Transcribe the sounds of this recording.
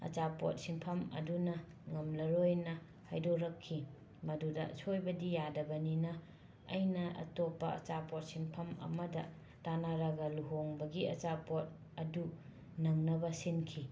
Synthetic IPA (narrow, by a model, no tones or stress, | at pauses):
ɐ̰t͡ʃapo̰t̚simpʰɐmɐ̰dunɐ | ŋɐmlɐɾojnɐ | ha̰jdoɾɐkʰːi | mɐdudɐsojbɐdijadɐbɐninɐ̰ː | jnɐʔɐ̰topːɐɐ̰t͡ʃapot̚siŋpʰɐmɐ̰mɐdɐ | tanaɾɐɡɐluɦoŋbɐɡiɐt͡ʃapot̚ | ɐdu | nɐŋnɐbɐsinkʰi